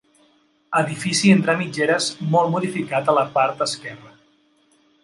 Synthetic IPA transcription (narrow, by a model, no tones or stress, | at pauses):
əðifisient̪ɾamid͡ʒeɾəzmɔlˠmuðifikat̪ələpaɾt̪əskɛrə